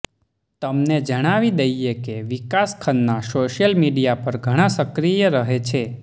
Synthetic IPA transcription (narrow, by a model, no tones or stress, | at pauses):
t̪əmned͡ʒəɽ̃aʋid̪əjekeʋikaskʰənːasoʃjəlmiɖijapəɾɡʱəɽ̃ãsəkɾijəɾəɦet͡ʃʰe